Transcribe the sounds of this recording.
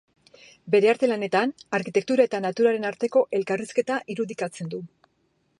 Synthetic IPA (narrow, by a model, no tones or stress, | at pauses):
be̞ɾe̞aɾt̪e̞lane̞t̪anaɾkit̪e̞k̚t̪uɾae̞t̪anat̪uɾaɾe̞naɾt̪e̞ko̞ʔe̞lkariske̞t̪aʔiɾuðikat͡se̞nd̪u